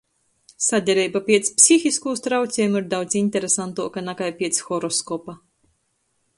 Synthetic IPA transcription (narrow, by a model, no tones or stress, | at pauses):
sad̪ʲɛɾɛːjbapʲiɛt̪spsixiskuːst̪ɾawt̪sʲiɛmiɾd̪awd̪zinʲt̪ʲeɾesant̪uɔkanakajpʲiɛt̪sxɔɾɔskɔpa